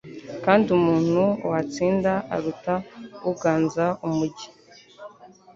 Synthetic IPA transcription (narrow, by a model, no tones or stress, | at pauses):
kaːndiumuːn̥huwat͡siːndaa̰ɾutauɡaːnzaumuɟi